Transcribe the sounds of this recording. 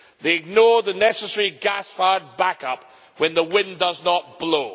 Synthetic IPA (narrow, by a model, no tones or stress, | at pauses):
ðeɪɨɡ̚nɔɹðɨnɛsəsɛɹiɡæsfaɪəd̚bækʌp̚ | wɨ̃nðəwɪ̃ndʌznət̚b̥loʊ